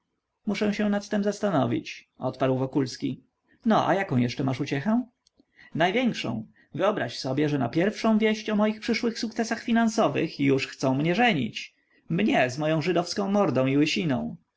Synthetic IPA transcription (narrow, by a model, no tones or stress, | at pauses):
muʂɛ̃w̃ɕɛnat̪ːɛmzast̪anɔvʲḭt͡ɕ | ɔ̰t̪paɾwvɔkulskʲi | nɔʔa̰jakɔ̃w̃jɛʂt͡ʂɛmaʂut͡ɕɛxɛ̃ | najvʲjɛŋkʂɔ̰̃w̃ | vɘɔbɾaɕsɔbʲjɛʐɛnapʲjɛɾfʂɔ̃w̃vʲjɛɕt͡ɕɔmɔjixpʂɘʂwɘxsukt̪sɛsaxfʲinansɔvɘ̰xjuʂxt̪sɔ̃w̃mɲɛʐɛɲḭt͡ɕ | mɲɛzmɔjɔ̃w̃ʐɘd̪ɔfskɔ̃w̃mɔɾd̪ɔ̃w̃iwɘɕinɔ̰̃w̃